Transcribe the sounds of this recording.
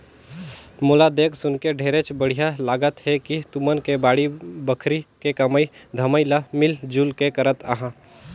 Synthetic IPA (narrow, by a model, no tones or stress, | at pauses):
moːlad̪eːksʊnkeɖʱeːɾet͡ʃbəɽ̤ijalaːɡət̪ɦɛkit̪umənkebaːɽibəkʰɾikekɐməid̪ʱəməilamɪld͡ʒulkekəɾət̪aɦã